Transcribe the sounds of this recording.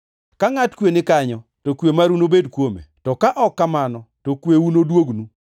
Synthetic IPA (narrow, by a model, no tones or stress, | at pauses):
kaŋatkwenɪkaɲɔtokwemaɾunobedkwomḛtɔkaʔɔkːamanɔtokweunodwoɡnu